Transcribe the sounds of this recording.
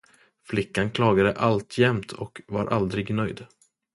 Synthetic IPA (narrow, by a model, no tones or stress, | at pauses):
flɪkːankʰlɑːɡad̪əʔalt̪ʰjɛmt̪ʰɔkvaɾʔa̰ld̪ɾɪɡnœjd̪